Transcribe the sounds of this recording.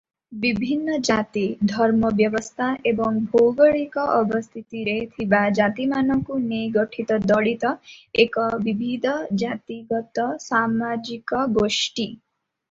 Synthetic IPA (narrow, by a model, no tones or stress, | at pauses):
bibʱinːɔd͡ʒat̪id̪ʱɔɾmɔbjɔbɔst̪ʰaʔebɔŋbʱɔwɡɔɭikɔʔɔbɔst̪ʰit̪iɾet̪ʰibad͡ʒat̪imanɔkuneɡɔʈʰit̪ɔd̪ɔɭit̪ɔekɔbibʱid̪ʱɔd͡ʒat̪iɡɔt̪ɔsamad͡ʒikɔɡoʃʈi